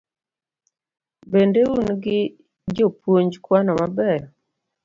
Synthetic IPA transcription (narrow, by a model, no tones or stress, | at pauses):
bendeunɡɪ | d͡ʒopwoɲd͡ʒkwanɔmabɛɾ